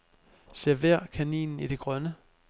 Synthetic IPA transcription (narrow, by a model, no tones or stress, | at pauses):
se̝ɐ̰ʋæɐ̰kʰænḭːnn̩id̥e̝ɡ̥ʁɶnə